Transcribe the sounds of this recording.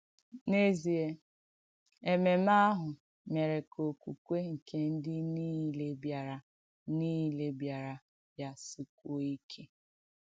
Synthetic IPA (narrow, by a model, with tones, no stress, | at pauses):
ne˦zi˨e˦ | e˨me˨ma˦ɦʊ˨ | me˨ɾe˨kʰo˨ku˨kʷe˦ŋ̩˨ke˦n̩˦dɪ˦ni˦le˦bja˨ɾa˨ | niː˦le˨bja˨ɾa˨ | ja˦su˨kʷo˦i˦kʰe˦